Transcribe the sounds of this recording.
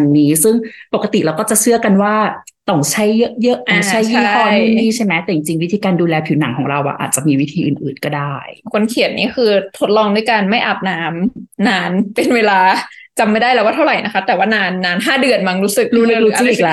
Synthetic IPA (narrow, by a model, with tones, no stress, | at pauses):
nːiː˦˥sɯ˥˩ŋpo˨˩ka˧t̪i˨˩ʔɾaː˧wkɔː˥˩t͡ɕa˨˩ʔsɯ˥˩əka˧nwaː˥˩ | t̪ɔ˥˩ŋt͡ɕʰa˦˥jːɤ˦˥ʔjɤ˦˥ʔʔa˧˩t͡ɕʰa˦˥˩jfɔː˥˩˥iː˥˩t͡ɕʰa˥˩jmɛ˦˥t̪ɛ˨˩t͡ɕi˧ŋt͡ɕi˧ŋwi˦˥t̪ʰiː˧kaː˧nduː˧lɛː˧pʰiː˨˩˦na˩˦ŋkʰɔː˩˦ɾa˧wʔa̰˧˩ʔa̰ː˨˩t̪̚t͡ɕa˨˩miː˧wi˦t̪ʰiː˧ʔɯː˨˩nʔɯː˨˩nkɔː˥˩daː˥˩jkʰo˧nkʰi˨˩ət̪̚niː˦˥kʰɯː˧t̪ʰo˦˥t̪̚lɔː˧ŋdu˧˩˨jkaː˧nma˥˩jʔa˨˩p̚naː˦˥mnaː˧npe˧nweː˧laː˧ | t͡ɕa˧mːa˦˥˩jdaː˥˩jlɛː˦˥waː˥˩t̪ʰa˥˩ɾa˨˩jna˦˥kʰa˦˥t̪ɛː˨˩waː˥˩naː˧nːaː˧nɦaː˥˩dɯ˨˩ənma˧ŋɾuː˦˥sɯ˨˩k̚ɾuː˦˥lɾuː˧˦ɯ˥ʔiː˨˩k̚la˧˩